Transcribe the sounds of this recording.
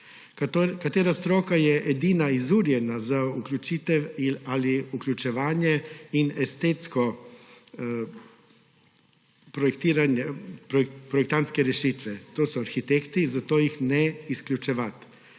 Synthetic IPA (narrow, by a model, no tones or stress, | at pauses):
kat̪eːɾast̪ɾoːkajɛʔɛd̪iːnaizuːɾjɛnazauklʲjut͡ʃiːt̪ɛwialiuklʲut͡ʃɛʋaːnjɛinɛst̪eːt̪skɔ | pɾɔɛkt̪iːɾanjɛpɾɔpɾɔjɛk̚t̪ant̪skɛɾɛʃit̪ʋɛt̪oːsɔaɾxit̪ekt̪izat̪oːjixnɛisklʲjut͡ʃɛʋat̪